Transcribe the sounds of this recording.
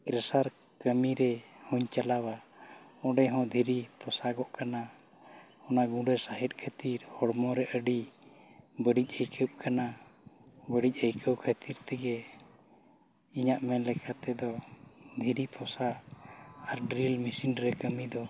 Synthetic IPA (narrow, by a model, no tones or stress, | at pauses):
kɾɛsaɾ | kəmiɾɛhɔɲt͡ʃalawaɔ̃ɖɛɦɔ̃d̪ʱiɾipɔsaɡɔʔkana | ɔnaɡũɖɛsaɦɛt̪̚ˀkʰət̪iɾhɔɽmɔɾɛʔəɖi | bəɖic̚ˀəjɾkʰəp̚kʰana | bəɖic̚ˀəjkʰəwkʰət̪iɾt̪ɛɡɛ | iɲaʔmɛnlɛkʰat̪ɛd̪ɔd̪ʱiɾipʰɔsa | aɾɖɾilmisinɖɾɛkəmid̪ɔ